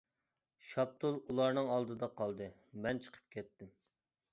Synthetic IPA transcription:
ʃɑp̚t̪ʰulˠulˠɑɾnɨŋɑlˠd̪ɨd̪ɑqʰɑlˠd̪ɨ | mɛnt͡ʃʰə̥qʰə̥p̚kʲʰɛt̪ʰːɪm

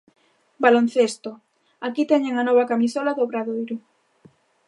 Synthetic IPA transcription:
balon̟θest̪o | akit̪ɛɲeŋanɔβakamisɔlaðoβɾaðojɾʊ

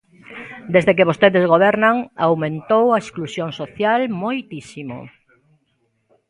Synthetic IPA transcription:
d̪ezðek̬eβost̪eðezɣoβɛɾnaŋawmẽnt̪owɐesklusjoŋsoθjalmojt̪isimo̰

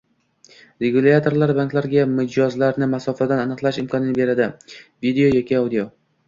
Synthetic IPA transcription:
ɾe̞ɡulʲat̪ʰo̞ɾlaɾbaŋklaɾɡʲamɪd͡ʒɒzlaɾnɪmasɒfad̪ananɨqlˠaʃɪmkʰɒnɪnbe̞ɾad̪ɪvid̪eo̞jɒkʲiawd̪ijo̞

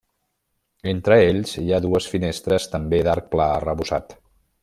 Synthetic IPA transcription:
ent̪ɾəeʎziaðuəsfinest̪ɾəst̪əmbed̪aɾk̚plaərəβuza̰t̪

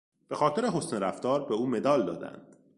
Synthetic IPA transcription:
b̥e̞xɒːt̪ʰe̞ɾe̞ɦo̞sneɾæft̪ɒːɾbeuːme̞d̪ɒːld̪ɒ̰ːd̪æ̰nd̪̥

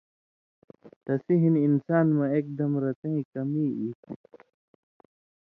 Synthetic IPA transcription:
t̪ɐsiɦininsaːnmɐ̃eːk̚d̪ɐmɾɐt̪ɐ̃ĩkɐmiːi

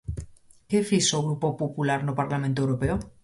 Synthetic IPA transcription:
kefisoɣ̞ɾupo̞populaɾnopaɾlamẽnt̪owɾopeo

